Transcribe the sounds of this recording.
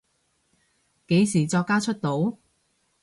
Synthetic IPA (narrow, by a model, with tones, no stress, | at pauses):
ke˨˥jsiː˨˩t͡sɔː˧kːaː˥t͡ʃʰɵ˥t̚t̪o˨˥w